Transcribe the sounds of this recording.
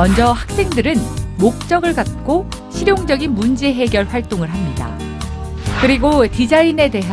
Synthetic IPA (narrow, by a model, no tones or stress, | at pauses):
ʌnd͡ʑʌhak̚s͈e̞ŋdɯɾɯnmok̚t͡ɕ͈ʌɡɯɭkat̚k͈o | ɕʰiɾjoŋd͡ʑʌɡinmund͡ʑe̞ɦe̞ɡjʌɭɸwaɭt͈oŋɯɭɦamɲida̰ | kɯɾiɡotid͡ʑaine̞de̞ɦa